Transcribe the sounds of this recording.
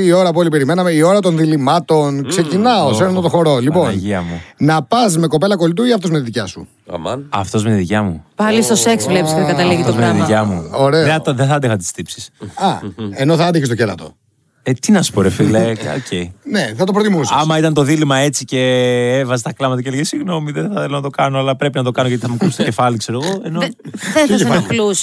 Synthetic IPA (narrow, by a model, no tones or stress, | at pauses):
io̞ɾɐp̬uolipe̞ɾime̞nɐmeio̞ɾɐt̪o̞nðilimɐt̪o̞nkse̞cinɐoseɾnot̪oxo̞ɾo̞lipo̞nnʝiɐmunɐpɐsme̞ko̞pe̞lɐko̞lit̪uʝiɐft̪omet̪iðicɐsṵ | ɐ̰ft̪o̞zmet̪iðicɐmupɐlist̪oseksvlepiseðeɡɐt̪ɐliɣit̪ozmeiðiɐmuo̞ɾe̞eðeθɐɐnd̪ixɐt̪t̪i̥st̪ipsi̥sɐeno̞θɐɐnd̪içest̪celɐ̰t̪o̞̰ | et̪inɐsu̥poɾefileo̰cʰeineθɐt̪o̞pɾot̪imusiɐmɐit̪ɐnt̪o̞ðilimɐe̞t͡sice̞evɐzet̪ɐklɐmɐt̪ɐcelsiɣno̞miðeθɐθelonɐt̪o̞kɐnoɐlɐpɾe̞pinɐt̪̬o̞kɐnoʝɐt̪iθɐmukust̪ocefɐlikse̞ɾoɣo̞eno | lus